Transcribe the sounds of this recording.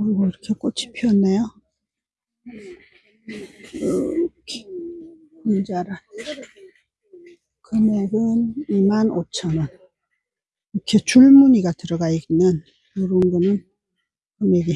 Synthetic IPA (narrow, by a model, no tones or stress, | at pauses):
oɾiɡoiɾʌkʰek͈ot͡ɕʰi̥pʰiʌnːejo | kʰe | ind͡ʑaɾan | kɯmeɡɯnimanot͡ɕʰʌnʌn | ɯkʰet͡ɕuɭmuɲiɡatɯɾʌɡainːɯn | joɾoɯnɡʌnɯn | kɯmeɡi